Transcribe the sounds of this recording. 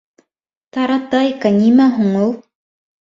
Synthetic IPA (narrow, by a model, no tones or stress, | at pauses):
t̪ɑɾɑt̪ɑjkanʲimæɦuɴow̪ˠ